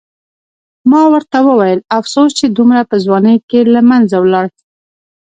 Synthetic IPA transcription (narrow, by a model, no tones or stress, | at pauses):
mɑwəɾt̪awəwajəlafsost͡ʃed̪umɾapəzwɑnəjkelamanzawlɑɽi̥